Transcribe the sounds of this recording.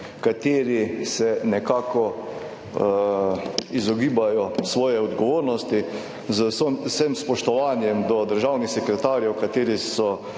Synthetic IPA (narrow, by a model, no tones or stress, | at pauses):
kat̪eːɾisɛnɛkaːkɔ | izɔɡiːbajɔsʋɔːjɛɔd̪ɡɔʋoːɾnɔst̪i | zəssəmspɔʃt̪ɔʋaːnjɛmd̪ɔd̪əɾʒaːwnixsɛkɾɛt̪aːɾjɛwkat̪eːɾisɔ